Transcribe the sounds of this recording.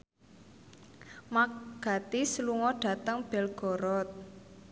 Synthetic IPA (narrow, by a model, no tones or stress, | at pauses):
makɡ̥a̤t̪isəluŋɔɖ̥a̤t̪əŋb̥ɛ̤lɡ̥ɔ̤ɾɔt̪̚